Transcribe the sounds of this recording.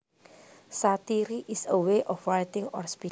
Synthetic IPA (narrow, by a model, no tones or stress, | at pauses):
sat̪iɾiʔisəweʔɔfɾajt̪ɪ̃ŋɔrspi